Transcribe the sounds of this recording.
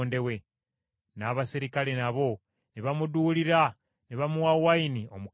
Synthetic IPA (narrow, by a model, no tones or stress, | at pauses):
nde̞we̞ | naβasiɾikalenaβo̞ | niβamud̪uliɾa | niβamuwawainiomu